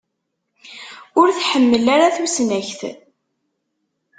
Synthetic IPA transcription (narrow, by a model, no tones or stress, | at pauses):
ʊɾθħəmːəlaɾaθusnæçθ